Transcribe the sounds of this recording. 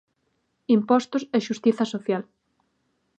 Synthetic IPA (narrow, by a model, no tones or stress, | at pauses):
impɔst̪ʊsɛʃust̪iθɐsoθjal